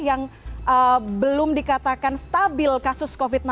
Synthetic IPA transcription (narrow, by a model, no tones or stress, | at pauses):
jaŋəbəlʊmdikat̪akanst̪abɪlkasʊskofit̪̚na